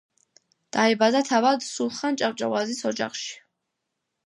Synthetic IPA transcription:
d̪̥aɛbad̪at̪ʰavad̪sulˠχant͡ʃʼapt͡ʃʼa̰vazisɔd͡ʒa̰χʃi̥

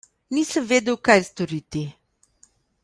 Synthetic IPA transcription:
nisɛvɛd̪ɛwkajst̪oɾit̪i

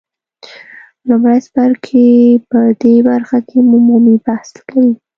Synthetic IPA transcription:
lʊmɽasbaɾkʰepəd̪ebaɾxakʰemumumibahslkawi

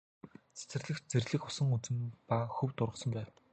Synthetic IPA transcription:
t͡sæ̥t͡sɘ̆rɮɘ̆xt͡ɕ̚t͡serʲɮɘ̆xʊsə̆ŋut͡sɘ̆mpaxɵwt̪ʊrʁə̆sɞ̆mpæːw

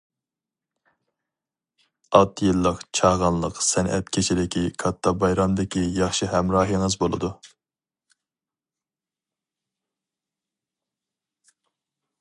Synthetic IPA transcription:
ɑlˠt̪ʰjɨlˠːəqt͡ʃʰɑʁɑnlˠəqsɛnʔɛ̰t̪kʲʰet͡ʃʰid̪ɪkʲikʰɑt̪ʰːɑbɑjɾɑmd̪ɪkʲijɑχʃɨɦɛmɾɑːɦiŋəzbolˠɨ̰d̪u

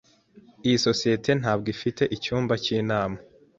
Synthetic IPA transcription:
ijiso̞sijetʰe̞n̥aːb̚ɡifite̞ʔicuːmbaciːnaːma

